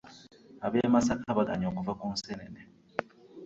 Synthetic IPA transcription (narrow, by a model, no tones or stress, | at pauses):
abemasakʰabadaɲokuvakun̩senene